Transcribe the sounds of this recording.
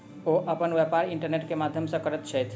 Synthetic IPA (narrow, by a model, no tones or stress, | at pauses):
oʔəpənʋepaɾiɳʈəɾneʈkemad̪ʱjəmsə̃kəɾɛt̪t͡ʃʰəjt̪ʰ